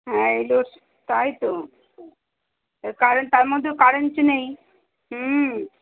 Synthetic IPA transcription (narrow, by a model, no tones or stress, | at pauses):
ɦɛ̃elo | t̪ajt̪o | kaɾont̪aɾmod̪ʱːekaɾent͡ʃnej | ɦ